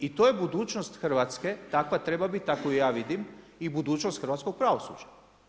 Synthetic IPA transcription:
it̪ojebud̪uːt͡ʃnost̪xr̩ʋat̪ske̞t̪akʋat̪ɾe̞babit̪t̪ːakoijaːʋid̪im | ibud̪uːt͡ʃnost̪xɾʋat̪ko̞ɡ̚pɾaʋo̞sṵd͡ʒa

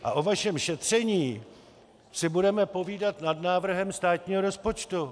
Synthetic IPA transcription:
ʔa̰ʔo̞vaʃɛmʃɛt̪r̝̥ɛɲiː | sɪbudɛmɛpo̞viːdat̪nadnaːvr̩ɦɛmst̪aːt̪ɲiːɦo̞ɾospo̞t͡ʃt̪u

